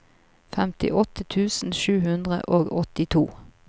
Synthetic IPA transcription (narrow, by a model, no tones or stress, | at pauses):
fɛmt̪ɪ̰ʔɔt̪ət̪ʰʉːsn̩ʃʉːhʉnd̪ʁə̰ʔoːɡɔt̪ɪt̪ʰuː